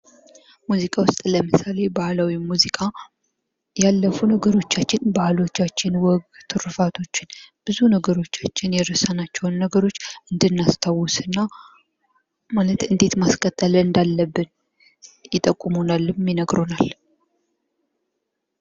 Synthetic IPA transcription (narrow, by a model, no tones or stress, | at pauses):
muzikʼawʊst̪ʼləmɨsale̞bahlawimuzikʼa | jalːəfunəɡəɾo̞t͡ʃːat͡ʃːɪnbahlo̞t͡ʃːat͡ʃːɪnwɔɡt̪ʰɨɾfat̪ʰo̞t͡ʃːɪnb̥ɨzunəɡəɾo̞t͡ʃːat͡ʃːɪnjɛɾəsanat͡ʃːɛwnːəɡəɾo̞t͡ʃːɨnd̪ɨnːast̪ʰawusɨnːa | malət̪ɨnd̪e̞t̪maskʼət̪ʼːələɨnd̪alːəbːɨn | jɪt̪ʼːəkʼːumonalːmːinəɡɾo̞nal